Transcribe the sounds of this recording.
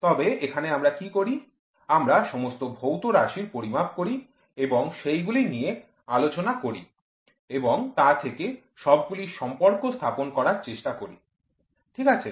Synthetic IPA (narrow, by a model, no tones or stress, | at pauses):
t̪ɔbeekʰaneamɾakikoɾi | amɾaʃɔmost̪obʱowt̪oɾaʃiɾpoɾibʱab̚koɾi | eboŋʃejɡulinije | alot͡ɕonakoɾi | eboŋt̪at̪ʰeke | ʃɔb̚ɡuliʃɔmpoɾkost̪ʰaponkɔɾaɾt͡ɕeʃʈakoɾḭ | ʈʰikat͡ɕʰe